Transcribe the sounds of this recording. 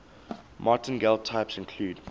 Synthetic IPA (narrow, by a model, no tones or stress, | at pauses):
mɑtə̃nɡɛlˠtʰaɪpsɪ̃nkʰl̥uːd